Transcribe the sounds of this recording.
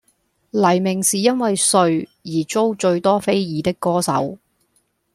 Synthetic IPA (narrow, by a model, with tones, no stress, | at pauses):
lɐ˨˩jmɪ˨˩ŋsiː˨jɐ˥nwɐ˨jsɵ˧ɥjiː˨˩t͡so˥wt͡ʃɵ˧ɥt̪ɔː˥fe˥jjiː˨˥t̪ɪ˥kːɔː˥sɐ̰˨˥w